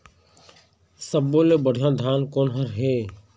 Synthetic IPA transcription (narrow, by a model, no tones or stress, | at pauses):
səbːoːlebəɽ̤ʱjãd̪ʱjaːnkoːnɦəɾɦeː